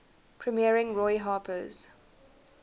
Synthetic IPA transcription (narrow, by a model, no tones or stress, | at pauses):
pʰɹimiəɹɪ̃ŋɹɔɪɦɑːpʰəz̥